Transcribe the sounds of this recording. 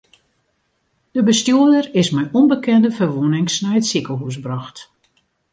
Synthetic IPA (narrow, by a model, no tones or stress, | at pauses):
d̥əbəstjuədərɪsmɛjʔɔnbəkɛndəfərʋunɪŋsnɛjətsikəlˠɦusbrɑxt